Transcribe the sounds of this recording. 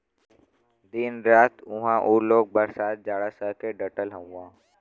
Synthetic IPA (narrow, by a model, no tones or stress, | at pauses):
d̪ɪnɾaːt̪ʊɦãʔoːloːɡ̚bəɾsaːt̪̚d͡ʒaːɽasəkeɖəʈəlɦə̃ãː